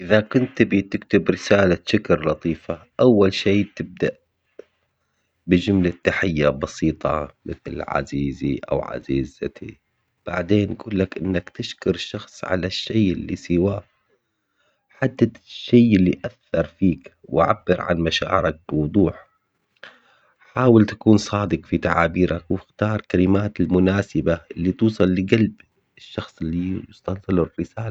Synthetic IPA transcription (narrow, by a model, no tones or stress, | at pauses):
ʔɪðakʊnt̪bit̪ɪkt̪ɪbɾɪsaːlaʃɪkɾlɑt̪ˤiːfaʔawːalʃeːt̪ɪb̚d̪aʔ | bɪd͡ʒʊmlat̪ːaħajːabɑsiːt̪ˤʰɑ̰mɪθlʕa̰ziːziʔa̰wʕa̰ziːzat̪ʰḭ | b̥aʕd̪eːnʔɡuːlːakʔɪnːakt̪ɪʃkʊɾʃːɑxsˤʕa̰laʃːajʔɪlːisɪwaː | ħad̪ːaʃːajɪlːiʔaθːɑɾˤfiːkwʔa̰ʕa̰bːɪɾʕa̰nmaʃa̰ːʕɪɾak̚bɪwʊd̪ˤuːħ | ħaːwɪlt̪ḁkuːnsˤɑːd̪ɨqfit̪aʕaːbiːɾʔakwɪxt̪ɑːɾˤkalɪmaːt̪ɪlmʊnaːsɪbaɪlːit̪uːsˤɑlːɪɡalb | ɪʃːɑxsˤɪlːijʊst̪ɑlsˤɑlurːɪsaːl